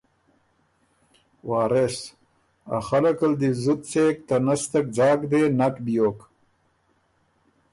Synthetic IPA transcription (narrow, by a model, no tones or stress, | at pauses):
waːɾes | a̰xɐlɐkɐld̪izut̪t͡seːk̚t̪ɐnɐst̪ɐk̚d͡ʑaːkd̪eːnɐkbijoːk